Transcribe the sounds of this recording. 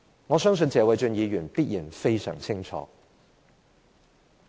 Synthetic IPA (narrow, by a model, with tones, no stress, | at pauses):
ŋɔː˨˧sœː˥ŋs̬ɵ˧nt͡sɛː˨˧wɐ˨˧jt͡ʃɵ˧njiː˨˧ɥyː˨˩npiː˥t̚jiː˨˩nfe˥jsœ̰ː˨˩ŋt͡sʰɪ˥ŋt͡sʰɔ̰ː˨˧˦